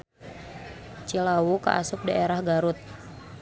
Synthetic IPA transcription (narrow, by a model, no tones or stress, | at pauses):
t͡ʃilawuka̰ʔa̰sʊk̚daeɾahɡaɾʊt̪̚